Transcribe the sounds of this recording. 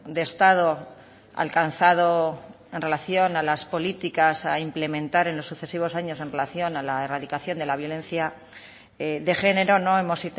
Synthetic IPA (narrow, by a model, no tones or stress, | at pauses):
d̪est̪að̞o̞ | a̰lkanθaðo | e̞nre̞laθjo̞nalaspo̞lit̪ikasaimple̞mẽnt̪aɾe̞nlo̞sːuθe̞siβ̞o̞saɲo̞se̞nre̞laθjo̞nalaeraðikaθjo̞nd̪e̞laβjo̞lẽ̞nθja | eðe̞χe̞ne̞ɾo̞no̞e̞mo̞si